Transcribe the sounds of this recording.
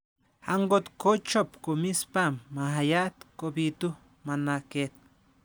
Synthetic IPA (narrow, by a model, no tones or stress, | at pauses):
haŋɡot̪kot͡ʃopkomispamːahajaʔt̪kobit̪u | manaket̪̚